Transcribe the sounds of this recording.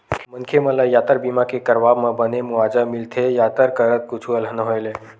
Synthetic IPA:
mənkʰemə̃lajat̪əɾbimakekəɾʋabmẽbənemuʋad͡ʒamilt̪ʰejat̪əɾkəɾət̪̚kʊt͡ʃʰuəlɦənəɦojle

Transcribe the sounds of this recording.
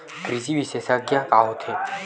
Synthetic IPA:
kɾiziwisɛsaɡjakʼaɦɔt̪ʰɛ

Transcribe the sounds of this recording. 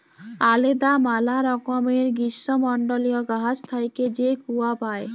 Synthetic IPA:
aled̪amalaɾɔkomeɾɡiʃːomɔɳɖolijoɡaɦad͡ʑt̪ʰajked͡ʑekuwapae

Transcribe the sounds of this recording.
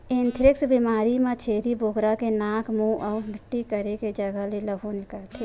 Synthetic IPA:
ẽnt̪ʰɾɪksbimaːɾimãt͡ʃʰeːd̪iboːɡɾakenaːkʰmũʔɔːbʱɪʈːikəɾeked͡ʒəɡəɦleləbʱonɪkəlt̪ʰe

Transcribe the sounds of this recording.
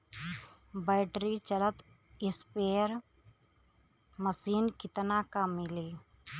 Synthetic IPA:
bɛːʈɾit͡ʃələt̪ | ɪspeːɾ | məsiːnkɪt̪nakamɪliː

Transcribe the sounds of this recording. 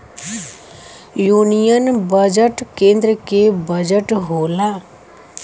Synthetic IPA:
juːnijənbəd͡ʒəʈkẽːnd̪ɾəkebəd͡ʒəʈɦoːlaː

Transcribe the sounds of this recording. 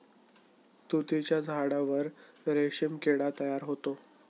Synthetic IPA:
t̪ut̪et͡ɕjad͡zʱaɽaʋəɾɾeɕemkeɽat̪əjaɾɦot̪o

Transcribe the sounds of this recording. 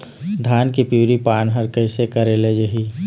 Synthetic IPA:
d̪ʱaːnkipjuːɾipaːnɦəɾkəɪsekəɾeled͡ʒəɦi

